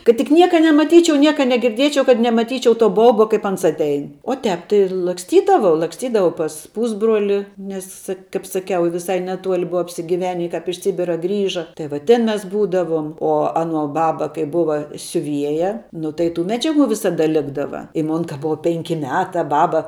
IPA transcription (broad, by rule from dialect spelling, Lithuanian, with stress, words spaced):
kɐt tʲɪk ˈnʲiɛkɐ nʲɛmɐˈtʲiːt͡ʃʲɛʊ ˈnʲiɛkɐ nʲɛɡʲɪrʲˈdʲiɛt͡ʃʲɛʊ kɐt nʲɛmɐˈtʲiːt͡ʃʲɛʊ toː ˈbɐʊbɐ ˈkɐɪp ˈɐns ɐtʲˈɛɪn oː ˈtʲɛːp tɐɪ lˠɐksʲˈtʲiːdɐʋɐʊ lˠɐksʲˈtʲiːdɐʋɐʊ pɐs ˈpuːzbroːlʲɪ ˈnʲɛs kɐɪp sɐˈkʲɛʊ ʋʲɪˈsɐɪ nʲɛˈtuɔlʲɪ ˈbʊɐ ɐpʲsʲɪɡʲɪˈʋʲæːnʲɪ kɑːp ɪʃ ˈsʲɪbʲɪrɐ ˈɡrʲiːʒɐ tɐɪ ʋɐ ˈtʲɪn ˈmʲɛs ˈbuːdɐʋuɔm oː ˈɑːˌnuɔ ˈbɑːbɐ kɐɪ ˈbʊʋɐ sʲʊˈʋʲiɛjɛ ˈnʊ tɐɪ tuː ˈmʲæːd͡ʒʲɛˌɡuː ˈʋʲɪsɐˌdɐ ˈlʲɪɡdɐʋɐ ɪ ˈmoːn kɐ ˈbʊʋɐ ˈpʲɛŋʲkʲɪ ˈmʲæːtɐ ˈbɑːbɐ